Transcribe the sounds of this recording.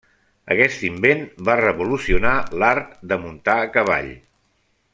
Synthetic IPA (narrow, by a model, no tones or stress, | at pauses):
ə̰kɛst̪imbenbarəβulusiunalaɾk̚d̪əmunt̪aəkəβa̰ʎ